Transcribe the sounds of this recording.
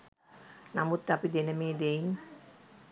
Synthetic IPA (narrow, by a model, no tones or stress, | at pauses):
namut̪ːapid̪enəmeːd̪eiŋ